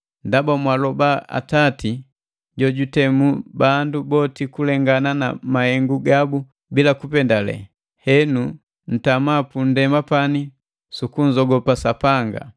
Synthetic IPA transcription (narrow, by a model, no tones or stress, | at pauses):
ndabamwalɔbaa̰tati | ɟɔɟutɛmubandubɔtikulɛŋɡanana̰mahɛŋɡuɡabu | bilakupɛndalɛ̰ | hɛnu | n̩tamapun̩dɛmapani | sukuɲd͡ʒɔɡɔpasapaŋɡa̰